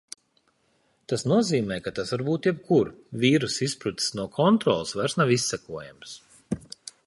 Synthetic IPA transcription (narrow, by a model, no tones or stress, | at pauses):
t̪asnuɔziːmɛːjkat̪asvaɾbuːt̪jɛb̚kʰuɾvʲiːɾusispɾut̪snuɔkʰɔnt̪ɾɔːlˠsvaɾsnaʋisːɛkuɔjams